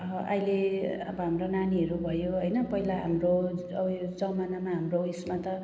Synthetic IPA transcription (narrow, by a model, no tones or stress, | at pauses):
ʔa̰jleʌ̰bʌɦamronaniɦʌɾubʱʌjoɦʌjnʌpʌɦilaɦa̰mroʌbʌd͡zʌmanamaɦamroismat̪ʌ